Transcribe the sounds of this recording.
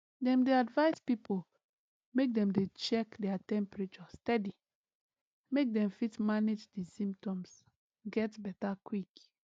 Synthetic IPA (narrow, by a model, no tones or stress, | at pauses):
dɛ̃mdeadvaɪspipol | mek̚dɛ̃mdet͡ʃɛkdɛatɛ̃mpɹet͡ʃɔstɛdi | mek̚dɛ̃mfitmaned͡ʒdisĩmptɔ̃ms | ɡɛtbɛtakwik